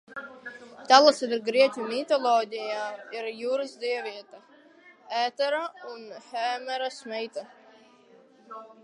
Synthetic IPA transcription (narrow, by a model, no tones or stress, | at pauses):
t̪alˠasɛd̪ɾɡɾiɛcʲumʲit̪ɔlˠɔːd̪ʲijaːiɾjuːɾɨzd̪iɛvʲiɛt̪a | æːt̪ɛɾaunhɛːmɛɾasmɛjt̪a